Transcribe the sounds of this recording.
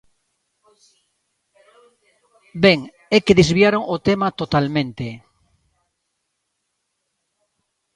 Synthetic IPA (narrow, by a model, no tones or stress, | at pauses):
beŋ | ekeðezβjaɾoŋot̪emat̪ot̪almẽnt̪e